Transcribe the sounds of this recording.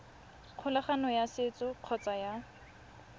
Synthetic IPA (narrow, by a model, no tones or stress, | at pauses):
q͡χʰʊlaχanɔjasɪt͡sʼɔq͡χʰɔt͡sʼaja